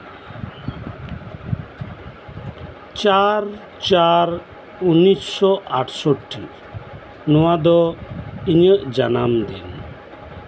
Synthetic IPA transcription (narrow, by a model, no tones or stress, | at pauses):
t͡ʃaɾ | t͡ʃaɾ | unissɔʔaʈʰsɔʈːi | nɔwad̪ɔiɲəʔd͡ʒa̰namd̪in